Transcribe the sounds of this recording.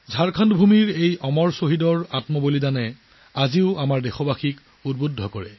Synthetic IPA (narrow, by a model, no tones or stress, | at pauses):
zʱaɹkʰandbʱumiɹejɔmɔɹsoɦidɔɹatmɔbolizanɛ | aziʊamaɹdexɔbaxik | ud̚budʱːɔkɔɹɛ